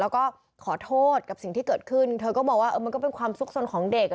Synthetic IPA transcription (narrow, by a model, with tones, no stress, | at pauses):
ɛː˦˥wkɔː˥˩ | kʰɔː˩˦t̪ʰoː˥˩t̪̚ka˨˩p̚si˨˩ŋt̪ʰiː˥˩kɤː˨˩t̪̚kʰɯ˥˩nt̪ʰɤː˧kɔː˥˩bɔː˨˩kwaː˥˩ʔɤː˧ma˧nkɔː˥˩pe˧nkʰwaː˧msu˦˥k̚so˧nkʰɔː˩˦ŋde˨˩k̚